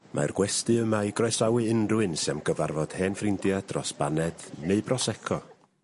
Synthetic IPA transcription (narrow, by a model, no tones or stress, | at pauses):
ma̰ɛrɡ̥wɛstɨəmajɡrɔjsrawɨɪnrwɨnsɛmɡəvarvɔd̥heːnfrɪndjad̥rɔsb̥anɛd̥neɨbrɔsɛkʰɔ